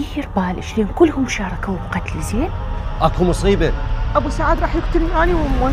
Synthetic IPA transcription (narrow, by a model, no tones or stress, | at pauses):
ɾbaːlʔɪʃleːnkʊlːhʊmʃɑːɾˤɑkawqɑt̪lzeːnʔakumʊsˤiːbaʔabusaːʕaːd̪ɾˤɑːħjɪkt̪ʊlmʔaːniwa